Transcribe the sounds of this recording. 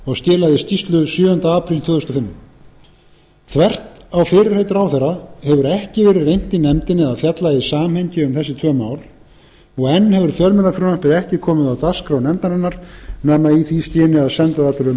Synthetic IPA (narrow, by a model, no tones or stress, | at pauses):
ɔɣsc̪ɛːlaðɪst̪ist̪lʏsjʏːʏnt̪aaːpʰɾilt̪ʰvœːðʏst̪ʏfɪnː | θʰvɛr̥t̪awfɪːɾɪɾ̥hejt̪ɾawθɛrahɛvʏɾɛhcɪvɛːɾɪrːejn̥t̪ɪnɛmt̪ɪnːɪðaðfjat̪lajðɪsaːmhejɲcɪʏmθɛsːɪt̪ʰv̥œːmaːwɾ | ɔɣɛnːhɛvʏɾ̥fjœɾmɛlafɾʏnampɪɾɛhcɪkʰɔːmɪðawt̪askɾawnɛmt̪naɾɛnːaɾ̥naːmaiθisc̪ɪːnɪaðsɛnt̪aðat̪ʏɾʏm